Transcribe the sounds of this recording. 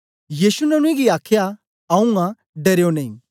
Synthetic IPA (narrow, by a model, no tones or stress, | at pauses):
jiːsunɐñʊ̃ẽɡiaːkʰja | ɐũŋɡã | ɖɐɾjonɐḭ̃